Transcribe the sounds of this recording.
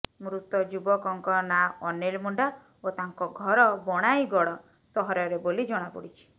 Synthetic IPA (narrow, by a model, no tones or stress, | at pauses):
mɾut̪ɔd͡ʒubɔkɔŋkɔnaɔnelmuɳɖa | ot̪aŋkɔɡʱɔɾɔbɔɽ̃ajɡɔɽɔ | sɔɦɔɾɔɾebolid͡ʒɔɽ̃apṵɽit͡ʃʰi̥